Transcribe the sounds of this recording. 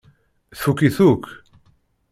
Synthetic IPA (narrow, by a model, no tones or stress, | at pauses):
θukiθuk